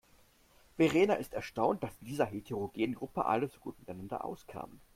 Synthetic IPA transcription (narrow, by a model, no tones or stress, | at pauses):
veʁeːnaʔɪstɛɐʃtaʊnt̚d̥asɪndiːzɐɦetʰeʁoɡeːnənɡʁʊpəʔa̰ləzoɡ̥uːtmɪtaɪnandɐ̰ʔa̰ʊskʰa̰ːmən